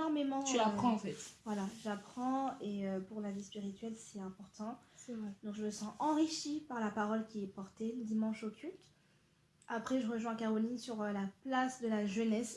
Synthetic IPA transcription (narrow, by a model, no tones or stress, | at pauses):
ɔʁmemɑ̃aχɑ̃fɛt̪vwalaʒapχɑ̃eøpuʁlavispiʁit̪ɥɛlsɛt̪ɛ̃pɔʁt̪ɑ̃sɛvʁɛd̪ɔ̃kʒəməsɑ̃ʔɑ̃ʁiʃipaʁlapaʁɔlkʲiɛpɔʁt̪eləd̪imɑ̃ʃokʲylt̪ | apχɛʒəʁəʒwɛ̃kaʁɔlinsyʁølaplasd̪əlaʒənɛs